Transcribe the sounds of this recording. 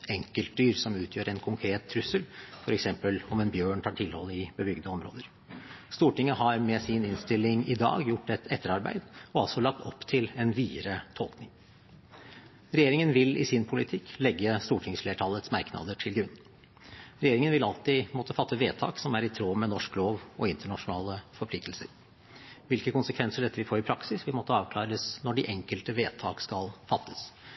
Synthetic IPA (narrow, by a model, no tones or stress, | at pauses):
ɛŋkəlt̪̚d̪yːɾsɔmʉːt̪ʰjøːɾɛnkʰʊŋkʰɾeːt̪ʰːɾʉsəlfɔɾɛksɛmpəlɔmɛnbjøːɳʈ̪ʰɑːʈʰɪlhɔlːəɪbəbʏɡd̪əɔmɾo̰ːd̪əɾ | st̪uːʈɪŋːəɦɑɾmɛsɪnɪnst̪ɪlːɪŋɪd̪ɑ̰ːɡjʊʈːɛt̪ʰɛt̪ːəɾɑɾbæ̰ɪd̪ɔɑlsɔlɑk̚t̪ɔpːt̪ʰɪlɛnʋiːɾət̪ʰɔlknɪŋ | ɾɛjeːɾɪŋənʋɪlɪ̰sɪnpʰʊlɪt̪ʰɪklɛɡːəst̪uːʈʰɪŋsfleːʈʰɑlːət̪smɑɾknɑ̰d̪əʈʰɪlɡɾʉnː | ɾɛjeːɾɪŋənʋɪlɑlt̪ɪmɔt̪ːəfɑt̪ʰːəʋeːt̪ʰɑ̰ːksɔmæɾɪt̪ʰɾoːmɛnɔʂkloːʋɔɪnt̪əɳɑʂʊnɑːləfɔɾpʰlɪk̚t̪lsə̰ɾ | ʋɪlkəkʊnsəkʰʋɛnsəɖɛt̪ːəʋɪfoːɾɪpʰɾɑksɪsʋɪlmɔt̪ːəɑːʋkʰlɑːɾəsnɔɖɪʔɛŋkəlt̪əʋeːt̪ʰɑ̰ːkskɑlfɑt̪ʰːə̥s